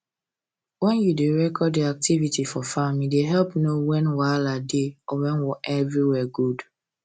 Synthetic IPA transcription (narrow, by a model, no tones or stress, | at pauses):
wɛ̃njudeɹɛkʰɔdiak̚tivitifɔfamideɦɛlpnowɛ̃nwaladeɔwɛ̃nwɔʔɛvɹiwɛɡud